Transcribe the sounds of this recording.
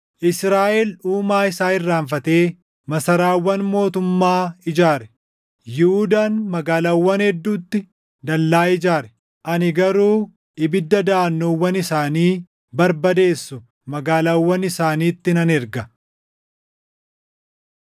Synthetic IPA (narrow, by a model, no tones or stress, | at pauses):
ʔɪsɾaːʔɛluːmaːɪsaːɪrːaːɱfɐt̪e̞ː | mɐsɐɾaːwːɐnmo̞ːt̪ʊmːaːɪd͡ʒaːɾɛ̥ | jɪhʊd̪aːnmɐɡaːlawːɐnhɛd̪ːuːt̪ːɪ | d̪ɐlːaːɪd͡ʒaːɾɛ̥ | ʔɐnɪɡɐɾuː | ɪbɪd̪ːɐd̪aːnːoːwːɐnɪsaːniː | bɐɾbɐd̪e̞ːsːʊ | mɐɡaːlawːɐnɪsaːniːt̪ːɪnɐnɛɾɡɐ